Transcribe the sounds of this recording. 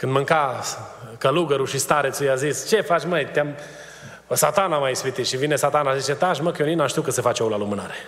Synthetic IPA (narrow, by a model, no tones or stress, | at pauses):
kɨnd̪mɨŋka | kəluɡəɾuʃist̪aɾet̪sujazist͡ʃefat͡ʃʲməjt̪eam | sat̪anamajispit̪iʃivinesat̪anazit͡ʃet̪aʃ̬məkjoninamʃt̪iukəsefat͡ʃeolalumɨnaɾe